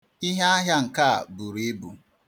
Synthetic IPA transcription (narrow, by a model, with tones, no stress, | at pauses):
i˦ɦe˦a˦ɦja˦ŋ̩˨ka˦a̰˨bu˨ɾe˦bu˨